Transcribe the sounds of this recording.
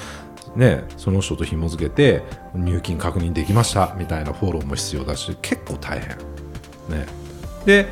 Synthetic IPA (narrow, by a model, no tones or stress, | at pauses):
ne̞so̞no̞ɕt̪o̞t̪o̞çimo̞zɨke̞t̪e̞ɲ̟ʲɨːkʲĩŋkakɯ̟ɲ̟ĩnd̪e̞kʲimaɕi̥t̪amʲit̪ainaɸo̞ːɾo̞ːmo̞çi̥t͡sɨjo̞ːd̪aɕikʰe̞kːo̞ːt̪ʰa̰ihẽ̞̰ | ne̞̰d̪e̞